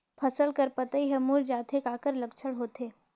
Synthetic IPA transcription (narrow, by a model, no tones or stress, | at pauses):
pʰɐsəlkɐɾpɐt̪aiɦɛmuːld͡ʒaːt̪ʰekaːkəɾlɐkt͡ʃʰəɽɦoːt̪eː